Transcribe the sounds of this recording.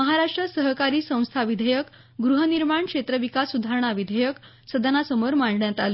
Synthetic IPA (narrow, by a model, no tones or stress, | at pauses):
əɦaɾaʂʈɾəsəɦkaɾiːsə̃w̃st̪ʰaʋid̪ʱəjək | ɡɾuɦəniɾmaɳkʂet̪ɾəʋikasud̪ʱaɾɳ̃aʋid̪ʱəjək | səd̪ʱanasəməɾmaɳɖɳjat̪al